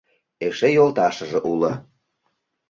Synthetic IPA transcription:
eʃejolt̪ɑʃə̆ʒĕʔulə̆

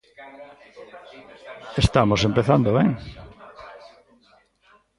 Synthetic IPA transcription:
est̪amosempeθand̪oβeŋ

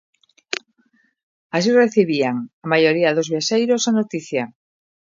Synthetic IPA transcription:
as̬ireθiβiaŋamajoɾiaðozβjaʃejɾosanot̪iθja

